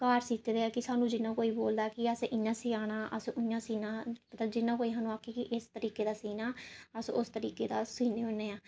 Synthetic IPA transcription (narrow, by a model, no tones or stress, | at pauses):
kaːɾsiːt̪ed̪eːaːkɪsaːnũːd͡ʒɪnãːkoːiːboːld̪aːkɪəseʔɪjãːsiːaːɽ̃aːʔə̰sʔʊjãːsiːnãːpət̪ld͡ʒɪnːãːkoːiːɦaːnũːaːkʰːiːkɪʔɪst̪əɾiːkeːd̪aːsiːnaːəsʊst̪əɾiːkeːd̪aːsiːneːɦoneːãː